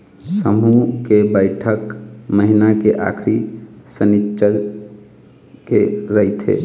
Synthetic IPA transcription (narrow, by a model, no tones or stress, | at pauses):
səmukebəɪʈʰəkməɦinakeʔa̰kʰɾisənit͡ʃːʃəɾ | keɾəɦit̪ɦḛ